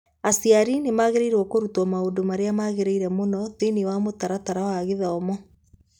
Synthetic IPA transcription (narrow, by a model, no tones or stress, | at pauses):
asiaɾinemaɣeɾeiɾwɔkoɾutwɔmaodomaɾeamaɣeɾeiɾɛmonɔtenewamotaɾataɾawaɣeðaɔmɔ